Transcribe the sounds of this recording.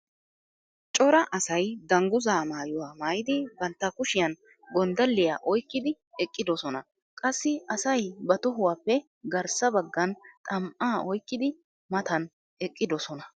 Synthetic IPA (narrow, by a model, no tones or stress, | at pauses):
t͡ʃʼɔɾɐʔɐsɐjd̪ɐŋɡʊzaːmaːjʊwaːmaːjɪd̪ɪbɐnt̪ːɐkʊʃɪjɐn | ɡɔnd̪ɐlːɪja̰ːʔɔjkːɪd̪ɪ | ɛkʼːɪd̪ɔsɔnɐ | kʼɐsːɪɐsɐjbɐt̪ɔɦʊwaːpːɛ | ɡɐɾsɐbɐɡːɐnt̪ʼɐmʔaːɔjkːɪd̪ɪ | mɐt̪ɐn | ɛkʼːɪd̪ɔsɔnɐ